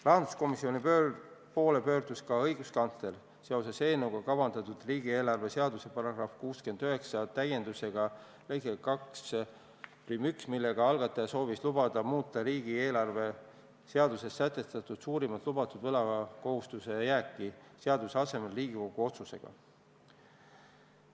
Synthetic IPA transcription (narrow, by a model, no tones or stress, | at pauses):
rɑɦɑnd̪u̥sko̞misio̞nipøpo̞ːle̞pø̞ːrd̪̥uskɑɤjɡ̥uskɑnt̪le̞l | seo̞se̞se̞ːnːeuɡ̥ɑkɑvɑnd̪ɑt̪ud̪̥riːɡ̥ie̞ːlɑrve̞se̞ɑd̪use̞pɑɾɑɡ̥rɑfkuːskend̪̥yɦe̞ksɑt̪æje̞nd̪use̞ɡ̥ɑ | lejɡekɑks | plymyksmilːe̞ɡ̥ɑɑlɡ̥ɑt̪ːˑɑjɑso̞ːvislub̥ɑd̪̥ɑmuːt̪ːˑɑɾiːɡ̥ie̞ːlɑrve̞ | se̞ɑd̪use̞sːæt̪ːˑe̞st̪ɑt̪ˑud̪̥suːɾimɑt̪ˑlubɑt̪ˑud̪̥vɤlɑko̞hust̪use̞jæːkːˑiseɑd̪̥useɑse̞me̞lriːɡ̥iko̞ɡ̥uo̞t̪suse̞̰ɡ̥ɑ̰